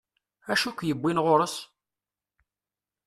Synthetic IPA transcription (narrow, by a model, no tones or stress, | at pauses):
æʃukʷːjəbːinʁoɾəs